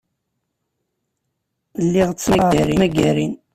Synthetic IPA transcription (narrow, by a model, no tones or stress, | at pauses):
lːiʁt͡sːæʁɾimæɡæɾin